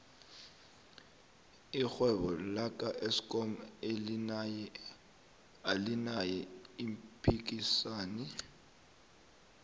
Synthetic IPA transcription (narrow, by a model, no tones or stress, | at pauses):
ixwɛβɔlakʼaʔesi̥kʼɔmelnjɛ | alinajɛimpʰʼik̬ʼisaːni